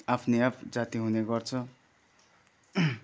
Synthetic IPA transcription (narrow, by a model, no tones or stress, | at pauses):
apʰniapʰd͡zat̪iɦuneɡʌrt͡sʰʌ